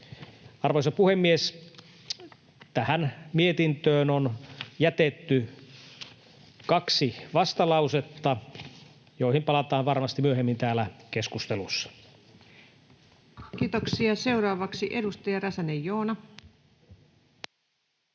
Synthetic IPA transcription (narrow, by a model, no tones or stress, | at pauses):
ɑrʋoisɑpuhemːies | t̪æhænmiet̪int̪øːnonjæt̪et̪ːy | kɑksiʋɑst̪ɑlɑuset̪ːɑ | joihimpɑlɑt̪ɑːnʋɑrmɑst̪imyøɦemːint̪æːlækeskust̪elusːɑ̥ | kiːt̪oksiɑse̞wɾɑːʋɑksiʔe̞dust̪ɑjɑrɑsænejːoːnɑ